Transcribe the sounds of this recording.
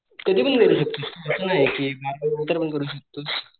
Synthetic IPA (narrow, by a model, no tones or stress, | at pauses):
kəd̪ʱiːpənɡʱeluɕək̚t̪ost̪oəsənaɦjkiːbʱaɾut̪əɾpənkəɾuːɕək̚t̪os